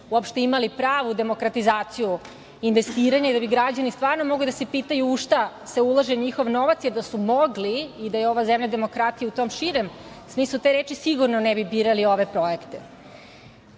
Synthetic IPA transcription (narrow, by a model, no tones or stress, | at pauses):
uopʃt̪e̞imalipɾaːʋud̪e̞mo̞kɾat̪izaːt̪siju | inʋe̞st̪iːɾaɲaid̪abiɡɾad͡ʑanist̪ʋaːɾno̞mo̞ɡlid̪asepiːt̪ajuuʃt̪a | se̞ulˠaʒeɲixo̞ʋno̞ʋat̪sjed̪asumoɡliːd̪ajeo̞ʋazemʎad̪e̞mo̞kɾat̪ijeut̪oːmʃiɾe̞m | smiːslˠut̪eɾeːt͡ʃisiɡuɾnonɛbibiːɾalio̞ʋe̞pɾoekt̪e